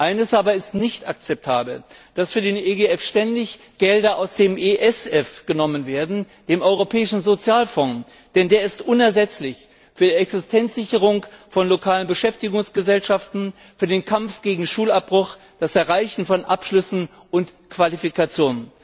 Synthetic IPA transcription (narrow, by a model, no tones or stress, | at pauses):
ʔaɪnəsʔaːbɐɪstnɪçtak̚t͡sɛp̚tʰaːbl̩d̥asfyːɐdeːnʔeɡeɛfʃtɛndɪç | ɡ̥ɛldɐʔaʊsd̥eːmʔeʔɛsɛfɡ̥ənɔmənveːɐdn̩ | d̥eːmʔɔʏʁ̞opʰɛːɪʃn̩zot͡sjaːlfɔ | d̥ɛndeːɐɪstʔʊnɛɐzɛt͡slɪç | fyːɐdiɛksɪstʰɛnt͡sz̥ɪçəʁ̞ʊŋfɔnlokʰaːlənbəʃɛftɪɡʊŋsɡ̥əzɛlʃaftn̩ | fyːɐdeːnkʰamfɡ̥eːɡŋ̩ʃuːlap̚b̥ʁʊx | d̥asɛɐʁaɪçn̩fɔnʔapʃlʏsn̩ | ʔʊntkv̥alifikat͡sjoːnən